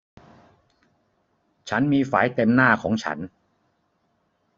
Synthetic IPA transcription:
t͡ɕʰa˦˥nmiː˧faː˩˦jt̪e˧mnaː˥˩kʰɔː˩˦ŋt͡ɕʰa̰˦˥n

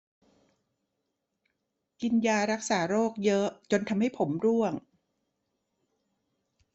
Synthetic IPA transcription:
ki˧njaː˧ɾa˦˥k̚saː˩˦ɾoː˥˩k̚jɤ˦˥t͡ɕo˧nt̪ʰa˧mha˥˩jpʰo˩˦mɾu˥˩əŋ

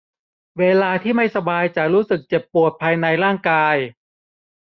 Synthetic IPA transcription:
weː˧laː˧t̪ʰiː˥˩ma˥˩jsa˧baː˧jt͡ɕa˨˩ɾuː˦˥sɯ˨˩k̚t͡ɕe˨˩pːu˨˩ət̪̚pʰaː˧jna˧jɾaː˥˩ŋkaː˧j

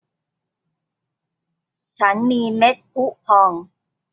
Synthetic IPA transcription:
t͡ɕʰa˦˥nmiː˧me˦˥t̪̚ʔu˦˥pʰɔː˧ŋ

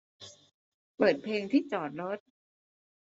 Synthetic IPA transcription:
pɤː˨˩t̪̚pʰleː˧ŋt̪ʰiː˥˩t͡ɕɔː˨˩t̪̚ɾo˦˥t̪̚

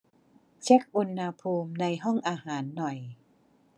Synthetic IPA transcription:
t͡ɕʰe˦˥k̚ʔu˧nːa˧pʰuː˧mna˧jɦɔ˥˩ŋʔaː˧haː˩˦nːɔ˨˩j

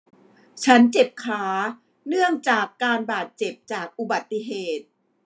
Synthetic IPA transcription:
t͡ɕʰa˦˥nt͡ɕe˨˩p̚kʰaː˩˦ | nɯ˥˩əŋt͡ɕaː˨˩kːaː˧nbaː˨˩t̪̚t͡ɕe˨˩p̚t͡ɕaː˨˩k̚ʔu˨˩ba˨˩t̪ːi˧˩ɦeː˨˩t̪̚

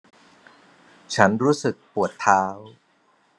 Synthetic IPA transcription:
t͡ɕʰa˦˥nɾuː˦˥sɯ˨˩k̚pu˨˩ət̪ʰːaː˦˥w

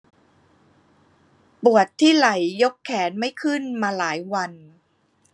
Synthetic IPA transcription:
pu˨˩ət̪ʰːiː˥˩la˨˩˦jːo˦˥kʰːɛː˩˦nma˥˩jkʰɯ˥˩nmaː˧laː˩˦jwa˧n

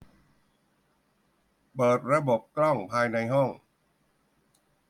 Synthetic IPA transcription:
pɤː˨˩t̪̚ɾa˧bo˨˩p̚klɔ˥˩ŋpʰaː˧jna˧jɦɔ˥˩ŋ

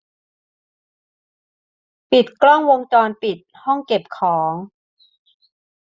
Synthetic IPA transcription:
pi˨˩t̪̚klɔ˥˩ŋwo˧ŋt͡ɕɔː˧npi˨˩t̪̚hɔ˥˩ŋke˨˩p̚kʰɔː˩˦ŋ

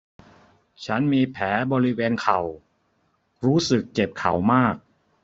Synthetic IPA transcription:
t͡ɕʰa˦˥nmiː˧pʰɛː˩˦bɔː˧ɾi˦˥weː˧nkʰa˨˩w | ɾuː˦˥sɯ˨˩k̚t͡ɕe˨˩p̚kʰa̰˨˩wmaː˥˩k̚

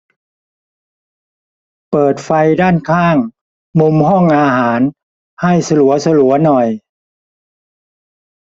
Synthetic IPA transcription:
pɤː˨˩t̪̚fa˧jdaː˥˩nkʰaː˥˩ŋ | mu˧mɦɔ˥˩ŋʔaː˧haː˩˦n | ha˥˩jsa˧lu˩˦ɐsa˧lu˩˦ɐnɔ˨˩j

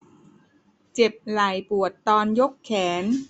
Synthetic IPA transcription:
t͡ɕe˨˩p̚la˨˩jpu˨˩ət̪ːɔː˧njo˦˥kʰːɛː˩˦n

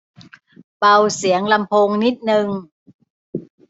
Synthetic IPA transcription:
pa˧wsi˩˦əŋla˧mpʰoː˧ŋni˦˥t̪̚nɯ˧ŋ

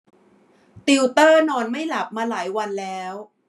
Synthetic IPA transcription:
t̪i˧wt̪ɤː˥˩nɔː˧nma˥˩jla˨˩p̚maː˧laː˩˦jwa˧nlɛː˦˥w

